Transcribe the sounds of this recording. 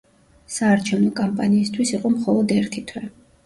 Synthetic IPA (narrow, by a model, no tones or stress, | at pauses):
saːɾt͡ʃʰɛvnɔkʼampʼaniːst̪ʰwisiqʼɔmχɔlˠɔd̪ɛɾt̪ʰit̪ʰwɛ